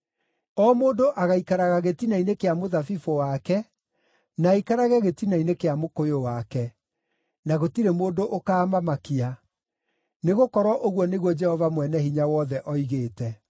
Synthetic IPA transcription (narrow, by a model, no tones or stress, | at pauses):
ɔmoːdoʔaɣaikaɾaɣaɣetinainekeamoðafifowakɛ | naːikaɾaɣɛɣetinainekeamokojowakɛ | naɣotiɾemoːndoʔokaːmamakia | neɣokɔɾwɔʔoɣwɔneɣwɔd͡ʒɛhɔvamwɛnɛhiɲawɔðɛʔɔiɣeːtɛ